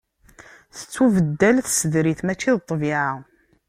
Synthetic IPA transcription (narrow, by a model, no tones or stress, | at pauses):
θə̥t͡sːuvəd̪ːælθsəðɾiθmæt͡ʃːiðt̪ˤːviʕa